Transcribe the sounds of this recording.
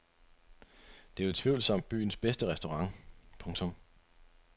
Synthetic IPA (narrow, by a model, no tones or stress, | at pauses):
d̥e̝æe̥t͡sʰʋiʊ̰lsɒm̰d̥̚b̥y̰ːn̩sb̥esd̥əʁɛsd̥o̝ʁɑ̈ŋpʰɔ̽ŋt͡sʰɔ̽m